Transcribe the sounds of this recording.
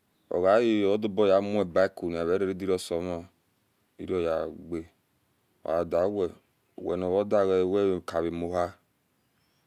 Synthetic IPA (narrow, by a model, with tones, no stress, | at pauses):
ɔ̰˨ɣa˨˦ji˦˨ɔ˦du˦bɔ˦˨ja˨˦mu˦ɛ˨ba˦i˦ku˨n˨a˨βɛ˨˦ɾe˦ɾi˦di˦ɾi˦ɔ˦sɔ˨˦mɔ˨ | ḭ˨˦ɾi˦ɔ˨ja˨ɡ͡be˨ | o̰˨a˨da˨˦wɛ̰˨ | wɛ̰˨n˨ɔ˨βɔ˦da˦˨wɛ˨˦wɛ˦˨ka˨βi˨mo˨ɦa˦